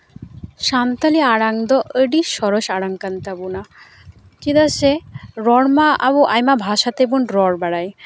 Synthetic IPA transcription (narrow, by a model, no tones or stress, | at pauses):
ʃant̪aliaɽaŋd̪ɔʔəɖiʃɔɾoʃaɽaŋkant̪abuna | kid̪aseɾɔɽmaaboʔajmabʱaʃat̪ebunɾɔɽbaɽaj